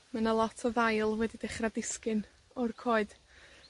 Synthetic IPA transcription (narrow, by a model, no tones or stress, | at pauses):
manalˠɔtʰɔðajlˠwɛdidɛχradɪskɨn | ɔrkʰoːɨd̥